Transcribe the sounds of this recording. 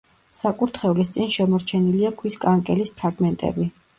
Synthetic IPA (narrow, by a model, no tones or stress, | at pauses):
sakʼuɾt̪ʰχɛulist̪sʼinʃɛmɔɾt͡ʃʰɛniliakʰwiskʼaŋkʼɛlispʰɾaɡmɛnt̪ʼɛ̰bi